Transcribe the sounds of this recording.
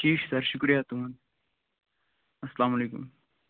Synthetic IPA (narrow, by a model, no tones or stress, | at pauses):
t͡ʃiːʃsɐɾʃʊkɾijat̪umn | ɐsɐlaːmɐleːkṵm